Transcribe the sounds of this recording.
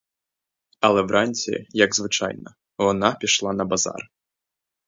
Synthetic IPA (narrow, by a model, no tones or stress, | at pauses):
ɐlˠɛvɾʔanʲt͡sʲɛ̰jɐɡzvɨt͡ʂa̰jnɐ̰ | vɔnapʲiʂlˠanɐbaza̰r